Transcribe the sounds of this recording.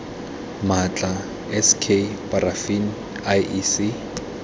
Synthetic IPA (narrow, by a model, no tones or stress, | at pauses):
mat͡ɬʼa | ɛskʰepʼarafin | ajʔisi